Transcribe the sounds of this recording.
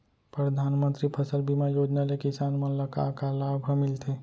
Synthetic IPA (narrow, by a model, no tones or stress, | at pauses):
pɾəd̪ʱaːnmə̃nt̪ɾipʰəsəlbimajoːd͡ʒnalekisaːnmə̃ləka̰kalabʱəmɪlt̪e